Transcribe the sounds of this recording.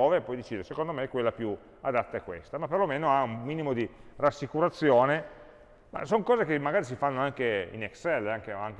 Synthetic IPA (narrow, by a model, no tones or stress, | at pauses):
ɔːvepɔjd̪et͡ʃiːd̪eɾesekond̪omeɛkːwelːapju | a̰d̪at̪ːaekːwḛst̪amapːerlomeːnoaumːiːnimod̪irasːikuɾat̪sːjoːne | ma̰soŋkɔːzek̟emːaɡaːɾis̬ifanːoaŋkeḭnɛksɛlːaŋkeaŋk